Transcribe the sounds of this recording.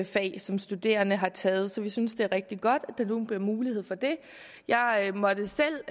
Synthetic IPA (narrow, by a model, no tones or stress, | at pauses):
fɛ̰ɪsɒ̽msd̥ud̥e̝̰ːɐnəɦɑ̈t͡sʰɛːð̞̩ˠsɒ̽ʋisynsd̥e̝æɐʁɛɡ̥̚d̥iɡ̥ɒ̽d̥æd̥ɑ̈nuːnb̥liɐmuːliheð̰ˠfɒ̽d̥e̝ | jɑ̈ɪmɒ̽d̥əsel̰